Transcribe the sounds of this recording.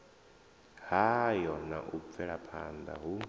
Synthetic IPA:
hajɔnaʔub̪fɛɺapʰand̪a̰ɦu

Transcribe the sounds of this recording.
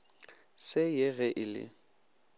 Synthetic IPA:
sɪjeɣɛʔɪlɪ̰

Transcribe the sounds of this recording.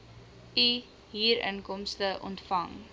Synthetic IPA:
i | ɦiːɾə̰nkɔmstəʔɔ̰ntfɐŋ

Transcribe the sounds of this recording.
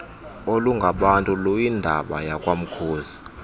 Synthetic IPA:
oluŋɡʱaɓantʼulojindʱaɓajakʼwam̩kʰoːzi

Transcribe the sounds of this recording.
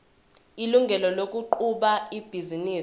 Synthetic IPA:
iluŋɡʱɛlɔlok̬ʼuǃuɓaib̥ʱiziniː

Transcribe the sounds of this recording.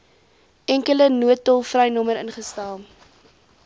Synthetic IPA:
ɛŋkələnuətɔlˠfrɛjnɔməɾənχəstælˠ

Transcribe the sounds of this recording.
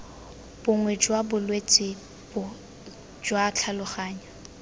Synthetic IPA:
b̥ʊŋwɛd͡ʒwabʊlwet͡sʼɪ | b̥ʊ | d͡ʒwaːt͡ɬʰalʊχaːɲa

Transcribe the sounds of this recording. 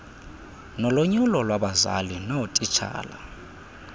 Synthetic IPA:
nɔloɲulɔlwaɓaza̰linɔtʼit͡ʃʰa̰ːla̰

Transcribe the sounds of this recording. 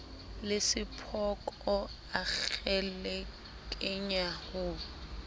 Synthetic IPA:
lɪsɪpʰɔkʼɔ | aɣɛlɛ | kʼɪɲahʊː

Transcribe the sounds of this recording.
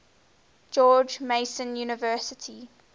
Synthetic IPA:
d͡ʒɔːd͡ʒmeɪsə̃njuːnɪvɜːˑsɪtʰi

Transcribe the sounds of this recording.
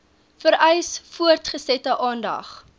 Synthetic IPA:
fəɾœjsfuərtχəsɛtəʔɑːndɐ̰χ

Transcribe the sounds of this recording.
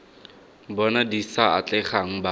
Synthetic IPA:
bɔnadisaat͡ɬɛχaŋ̩ba

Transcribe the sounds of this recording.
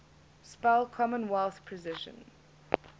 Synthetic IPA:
spɛlkʰɔmə̃nwɛlˠθpʰɹəzɪʃə̰̃n

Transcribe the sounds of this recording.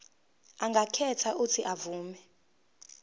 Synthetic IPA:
aŋɡʱakʰɛtʰaʔutʰiʔavuːmɛ

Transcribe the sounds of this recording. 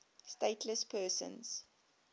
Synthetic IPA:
steɪtʰləspʰɜːsə̰̃nz̥

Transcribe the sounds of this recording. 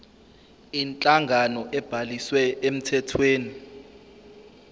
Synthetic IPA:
int͡ɬʼaŋɡʱanɔʔɛb̥ʱaliswɛem̩tʰɛtʰweːni

